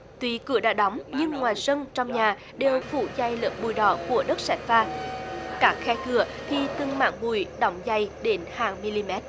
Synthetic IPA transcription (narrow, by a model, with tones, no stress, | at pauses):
t̪wi˨˦kɨ̰˧˩əɗaː˧˥ɗɔ˨˦wŋ͡mɲɨ˧ŋːwaː˨˩jsə˧nt͡ɕɔ˧wŋ͡mɲaː˨˩ | ɗe˨˩wfṵ˧˩za˧˩jləː˨˩p̚ɓu˨˩jɗɔ˧˩˦ku˧˩əɗə˦˥t̚sa˧˩jŋ̟faː˧˩kaː˦˥k̚xɛ˧kɨ˧˩ət̪ʰi˨t̪ɨ˨˩ŋma̰ː˧˥ŋmu˧˩jɗɔ˨˦wŋ͡mza˧˩jɗe˨˦nhaː˨˩ŋmi˧li˧mɛ˦˥t̚